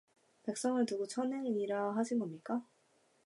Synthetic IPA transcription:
pe̞k̚s͈ʌŋɯɭtɯɡot͡ɕʰʌnːeŋiɲiɾaɦaɕʰinɡʌmɲik͈a

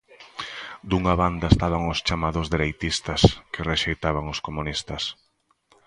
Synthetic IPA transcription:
d̪uŋaβand̪ɐest̪aβaŋʊst͡ʃamaðʊzðeɾejt̪ist̪ɐskɪreʃejt̪aβaŋʊskomunist̪ɐs

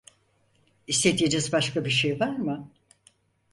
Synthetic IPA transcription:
ist̪ed̪ijed͡ʒɛzbaʃkabiʃejvaɾmɯ

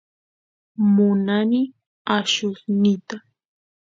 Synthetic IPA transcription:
mʊnanɪ | aʃʊsnɪt̪a

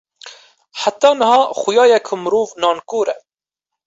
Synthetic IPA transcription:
ħat̪ːɑːnɨhɑːxʊjɑːjɛkʰumɨɾuːvnɑːnkuːɾɛ

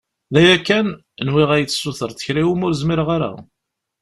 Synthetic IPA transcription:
ðæjækːæn | nwiʁæjət͡sːsːuθəɾˤθə̥çɾiwumʊɾzmɪɾʁaɾa̰

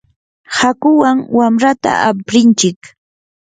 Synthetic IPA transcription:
hakʊwaŋwamɾat̪a̰apɾɪnt͡ʃɪk

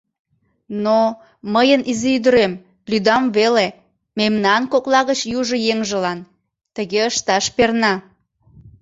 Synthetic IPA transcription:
no | məjənʔizeyd̪əɾem | lyd̪ɑmβele | memnɑnkoklɑɣət͡ɕjuʒə̆jeŋʒəlɑn | t̪əɣeəʃt̪ɑʃpernɑ

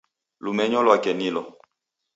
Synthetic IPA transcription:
lumɛɲɔlwakɛnilɔ

